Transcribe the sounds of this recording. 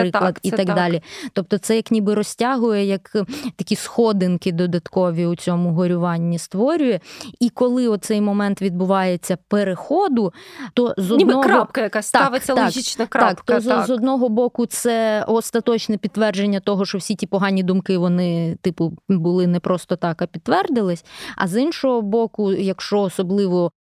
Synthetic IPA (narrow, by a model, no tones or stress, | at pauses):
pɾɪklˠɐd̪it̪ɐɡd̪ɑlʲit̪ɔp̚t̪ɔt̪sɛjɐknʲibɪɾɔsʲtʲaɦʊjɛjɐkt̪ɐkʲisxɔd̪ɪnkɪd̪ɔd̪ɐt̪kɔʋʲiut͡sʲɔmʊɦɔɾʲʊʋɑnʲːist̪ʋɔɾʲʊjɛikɔlˠɪɔt̪sɛjmɔmɛnt̪ʋʲid̪̚bʊʋɑjet͡sʲːɐpeɾexɔd̪ʊt̪ɔzɔninɔɾɔap̚kɐjɐkasʲsaʋɪːɐlakɦʲit͡ʃnɐkɾɑkt̪ɔzzɔd̪nɔɦɔbɔkʊt̪sɛɔst̪ɐt̪ɔt͡ʃnɛpʲid̪ːʋɛrd͡ʒenʲːɐt̪ɔɦɔʃt͡ʃɔwsʲitʲipɔɦɑnʲid̪ʊmkɪʋɔnɪt̪ɪpʊbʊlˠɪnɛpɾʔɔst̪ɔt̪ɑkɐpʲid̪t̪ːʋɛrd̪ɪlˠɪsʲɐ̰zinʃɔɦɔbɔkʊjɐkʃt͡ʃɔːsɔblˠɪʋɔ